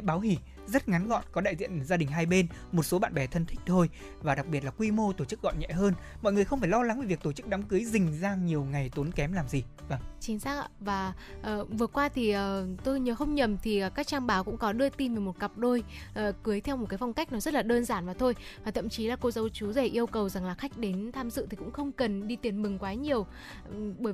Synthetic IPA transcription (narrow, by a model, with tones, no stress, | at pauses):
ɓaː˨˦whi˧˩ | zə˦˥t̚ŋa˨˦nɣɔ̰˧˨nkɔ˨˦ɗaː˧˨jzḭ˧˨ənzaː˧ɗï˨˩ŋ̟ɦaː˧jɓe˧n | mo˨˩t̚so˨˦ɓa̰ː˧˨nɓɛ˨˩t̪ʰə˧nt̪ʰï˦˥k̟̚t̪ʰo˧j | vaː˨˩ɗa˨˩k̚ɓi˨˩ət̚laː˨˩kwi˧mo˧t̪o˧˩t͡ɕɨ˦˥k̚ɣɔ̰˧˨nɲɛ̰˧˨ɦəː˧nmɔ̰˧˨jŋɨ˨˩əxə˧wŋ͡mfaː˧˩jlɔ˧la˨˦ŋvi˨˩vi˨˩ək̚t̪o˧˩t͡ɕɨ˦˥k̚ɗa˨˦mkɨ˨˦jzï˨˩ŋ̟zaː˧ŋɲi˨˩əwŋa˨˩jt̪o˨˦nkɛ˨˦mlaː˨˩mzi˨˩va˧˩ŋt͡ɕi˨˦nzaː˦˥k̚a̰˧˨vaː˨˩ | ʔəː˨˩vɨ˨˩əkwaː˧t̪ʰi˨˩ʔəː˨˩t̪o˧jɲəː˨˦xə˧wŋ͡mɲə˨˩mt̪ʰiː˨˩˨kaː˦˥k̚t͡ɕaː˧nɓaː˨˦wkʊ̰˧˥ŋ͡mkɔ˨˦ɗɨ˧ət̪i˧nvə˨˩mo˨˩t̚ka˨˩p̚ɗo˧jʔəː˨˩kɨ˨˦əjt̪ʰɛ˧wmo˨˩t̚kaː˨˦jfa˧wŋ͡mka˦˥k̚nɔ˨˦zə˦˥t̚laː˨˩ɗəː˧nzaː˧˩nvaː˨˩t̪ʰo˧j | vaː˨˩t̪ʰə̰˧˨mt͡ɕi˨˦laː˨˩ko˧zə˨˦wt͡ɕu˨˦zɛ˧˩ʔi˧əwkə˨˩wza˨˩ŋlaː˨˩xa˦˥jk̟̚ɗe˨˦nt̪ʰaː˧mzɨ̰˧˨t̪i˨˩kʊ̰˧˥ŋ͡mxə˧wŋ͡mkə˨˩nɗi˧t̪i˨˦ənmɨ˨˩ŋkwaː˨˦ɲi˨˩əw | ɓəː˧˩